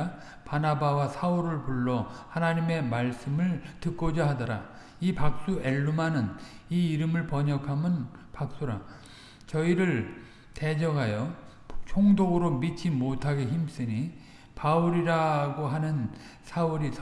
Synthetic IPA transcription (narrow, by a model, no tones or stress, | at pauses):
panabawasʰauɾɯɭpuɭːʌhanaɲime̞maɭs͈ɯmɯɭtɯk͈od͡ʑaɦadʌɾa̰ | ipak̚s͈ue̞ɭːumanɯniːɾɯmɯɭpʌɲʌkʰamɯn | pak̚s͈uɾa̰ | t͡ɕʌiɾɯɭ | te̞d͡ʑʌɡɦajʌ | t͡ɕʰoŋdoɡɯɾomit͡ɕʰimotʰaɡeçims͈ɯɲi | pauɾiɾaɡoɦanɯnsʰauɾisʰ